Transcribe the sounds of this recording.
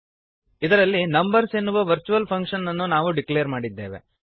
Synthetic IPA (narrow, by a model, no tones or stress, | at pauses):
id̪ɐɾɐlːinɐmbɐɾsenːuʋɐʋɐɾt͡ʃuʋɐlpʰɐŋkʂɐnːɐnːunaːʋuɖiklejɐɾmaːɽid̪ːe̞̰ːʋḛ